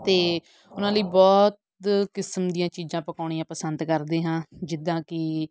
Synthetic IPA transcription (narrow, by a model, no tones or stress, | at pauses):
t̪eː | ʊnãːləiːbɔːt̪̚ | kɪsəmd̪ijãːt͡ʃiːzãːpəkaːɳiːãːpəsənd̪kəɾd̪eːɦãːd͡ʒɪd̪ãːkɪ